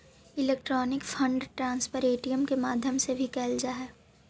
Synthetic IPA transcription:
ɪleːkʈɾɔːnɪkfʰɐ̃ɳɖʈɾãːnspəɾeːʈijəmkemaːd̪ʱjəmsebʱikɛːld͡ʒaːɦɛː

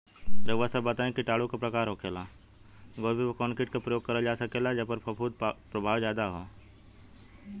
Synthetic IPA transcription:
pɾeʋəsəbːət̪aːẽkiʈaːɭukapɾɐkaːɾɦoːkeːlaː | ɡoːbʱiʋkɔːnkɪʈkapɾəjoːɡ̚kɐɾad͡ʒaːsəkeːlad͡ʒəpəɾpəpʰuːd̪̚pɾɐbʱaːwd͡ʒjaːd̪aɦo̰ː

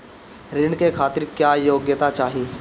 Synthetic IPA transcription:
ɾɪɳkekʰaːt̪ɪɾkjaːjoːɡjət̪at͡ʃaːɦie

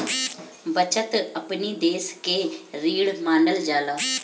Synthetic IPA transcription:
bət͡ʃət̪əpniːd̪eːskeːɾiːɽmaːnəld͡ʒaːlaː

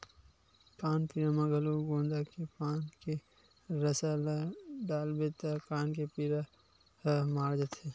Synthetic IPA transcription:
kaːnpiɾamãɡɐloɡõːnd̪akepaːnke | ɾəsalaɖaːlbet̪akaːnkepiɾa | maːɾd͡ʒət̪heː

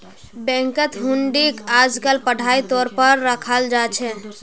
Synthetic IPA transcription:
bɛ̃ŋkət̪ɦuɳɖikad͡ʒkəlpəɽ̤ʱait̪ɔːɾpəɾːəkʰəld͡ʒat͡ʃʰɛ

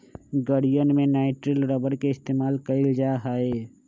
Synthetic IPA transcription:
ɡəɽijənmẽnaːɪʈɾəlɾɔbəɾkeɪst̪eːmaːlkəɪld͡ʒaɦaːe

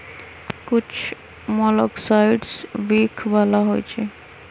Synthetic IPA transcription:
kut͡ʃʰ | mɔlɔksajɖsbikʰbalaɦo̰jt͡ʃʰe

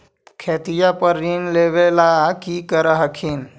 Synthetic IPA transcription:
kʰeːt̪ijapəɾːinleʋelakikəɾəɦəkʰin

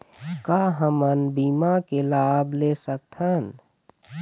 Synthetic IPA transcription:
kaːɦəmənbiːmakelaːbleːsək̚t̪ʰən

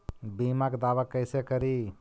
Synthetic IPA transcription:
biːmakd̪aːʋakəɪsekəɾiː

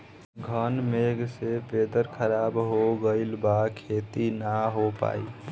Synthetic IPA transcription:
ɡʱənmeɡseped̪əɾkʰəɾabɦoɡəɪlbakʰet̪inaɦopa̰i

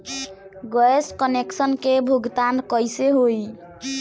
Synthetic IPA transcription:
ɡəeskəneksənkebʱuɡt̪ankəjseɦoj

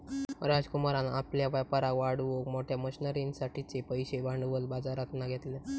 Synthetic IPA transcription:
ɾad͡zkumaɾanapljaʋapəɾaʋaɽʋokmoʈʰjaməɕinəɾinsaʈʰit͡sepəjɕeʋaɳɖʋəlbad͡zaɾat̪naɡʱet̪le

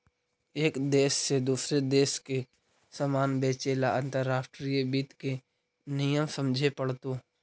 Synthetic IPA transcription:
eːkd̪eːʃːed̪uːsɾed̪eːʃke | səmaːnbeːt͡ʃeːlaə̃nt̪əɾːaːsʈɾiːbiːt̪ke | nijəmsə̃md͡ʒʱepəɽt̪oː

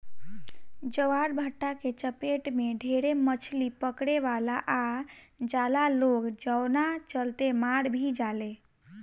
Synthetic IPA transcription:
d͡ʒəwaɽbʱəʈːaket͡ʃəpeʈmeɖʱeɾemət͡ʃʰlipəkɽeʋalaʔad͡ʒalaloɡd͡ʒəwnat͡ʃəlt̪emaɽbʱid͡ʒale

